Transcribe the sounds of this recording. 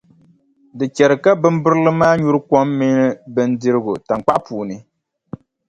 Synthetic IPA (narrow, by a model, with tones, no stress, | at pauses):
dɨ˨t͡ʃɛ˨ɾɨ˨ka˦bɨ˦mbɨ˦ɾɨ˦lɨ˦maː˦ɲu˦ɾɨ˦kɔ˦mːi˦nɨ˦bɨ˦ndɨ˦ɾɨ˦ɡʊ˨ta˨ŋk͡pa˦ʔpuː˨nɨ˨